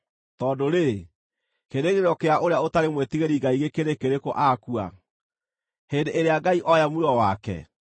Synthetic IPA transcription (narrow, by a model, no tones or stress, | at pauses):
tɔːdoɾe | keɾeɣeɾɔkeaʔoɾeaotaɾemwetiɣeɾiɡaiɣekeɾekeɾekoʔaːkua̰ | hendeʔeɾeaɡaiʔɔjamuɾɔwakɛ̰